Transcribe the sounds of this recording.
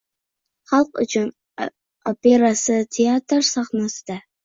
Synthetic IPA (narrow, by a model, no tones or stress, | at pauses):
χɑlq̚ʼṵt͡ʃʰʊn | operasɨtʰeaːtʰɨrsaχmɐst̪ʰa